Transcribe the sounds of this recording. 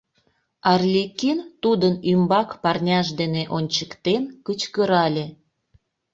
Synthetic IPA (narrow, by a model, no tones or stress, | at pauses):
ɑrlʲekint̪ud̪ənymbɑkpɑrnʲɑʃd̪eneʔonʲt͡ɕə̥kt̪enkət͡ɕkəɾɑlʲe